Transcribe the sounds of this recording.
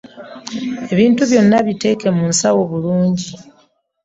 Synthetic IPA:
e̞βiːntuβjo̞nːaβite̞ke̞munsawo̞βuluːɲɟi

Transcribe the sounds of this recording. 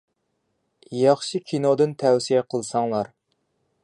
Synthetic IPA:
jɑχʃikʲʰinod̪ɨnt̪ʰɛwsijɛqʰəlˠsɑŋlˠɑɾ

